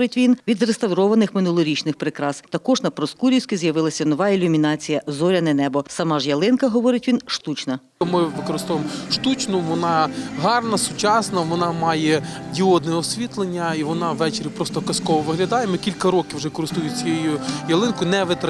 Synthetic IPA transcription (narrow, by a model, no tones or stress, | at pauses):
ɾɪtʲʋʲinʋʲid̪rest̪ɐwɾɔʋɐnɪxmɪnulˠɔɾʲit͡ʃnɪxpɾɪkɾɑst̪ɐkɔʒnɐpɾɔskuɾʲiwsʲkʲizjɐʋɪlˠɐsʲɐnɔʋɑilʲʊmʲinɑt͡sʲijɐzɔɾʲɐnɛnɛbɔsɐmɑʒjɐlˠɪnkɐɦɔʋɔɾɪtʲʋʲinʃt̪ut͡ʃnɐ | mɪʋɪkɔɾɪst̪ɔʋemɔʃt̪ut͡ʃnʊʋɔnɑɦɑrnɐsʊt͡ʃɑsnɐʋɔnɑmɑjɛdʲiɔd̪nɛɔsʲʋʲit̪lˠenʲːɐiʋɔnɑʋːɛt͡ʃeɾʲipɾɔst̪ɔkɐskɔʋɔʋɪɦlʲɐd̪ɑjemɔkʲilʲkɐɾɔkʲɪwʒɛkɔɾɪst̪ujʊt͡sʲjejujɐlˠɪnkʊnɛʋɪt̪ɐ